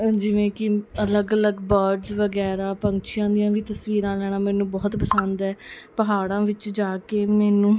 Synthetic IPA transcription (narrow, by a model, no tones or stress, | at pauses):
d͡ʒɪʋẽːkɪələɡələɡbəɾɖzʋəɡɛːɾãːpəŋkt͡ʃʰɪjãːd̪ijãːʋiːt̪əsʋiːɾãːlɛːɽ̃aːmɛːnũːbɔːt̪pəsənd̪ɛː | pəɦaːɽãːʋɪt͡ʃd͡ʒaːkeːmɛːnũː